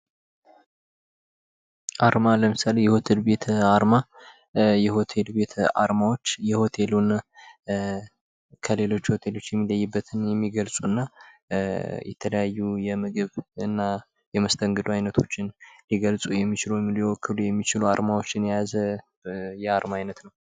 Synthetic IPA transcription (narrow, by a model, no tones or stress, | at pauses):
ʔaɾmaləmɨsalejɛho̞t̪ʰe̞lbe̞t̪ʰaɾma | jɛho̞t̪ʰe̞lbe̞t̪ʰa̰ɾmawo̞t͡ʃːjɛho̞t̪ʰe̞luna | kʰəle̞lo̞t͡ʃːho̞t̪ʰe̞lo̞t͡ʃːjɛmːiləjːɨbːət̪ʰɨnjɛmːiɡəlsʼuɨnːa | jɛ̰t̪ʰələjajːujɛmɨɡɨβɨnːa | jɛməst̪ʰəŋɡɨd̪uajnət̪ʰo̞t͡ʃːɪnliɡəlsʼujɛmːit͡ʃɪləmljwɔkːɨlujɛmːit͡ʃɪluaɾmawo̞t͡ʃːɪnjajazə | jɛaɾmaajnət̪nəw